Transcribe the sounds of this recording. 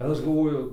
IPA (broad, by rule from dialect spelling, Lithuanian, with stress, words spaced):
ɪr ˈɐʃ ɡɐlˠˈʋoːjʊ